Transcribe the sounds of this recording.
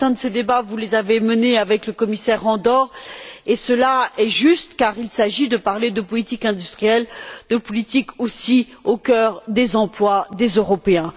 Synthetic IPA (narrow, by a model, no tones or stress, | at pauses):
fɛ̃d̪əsed̪ebavulezaveməneavɛkləkɔmisɛʁːɑ̃d̪ɔʁesəlaɛʒyst̪kaʁilsaʒid̪əpaʁled̪əpɔlit̪ikɛ̃d̪yst̪χijɛld̪̥əpɔlit̪ikosi | okʲœʁd̪ezɑ̃plwad̪ezøʁɔpeɛ̃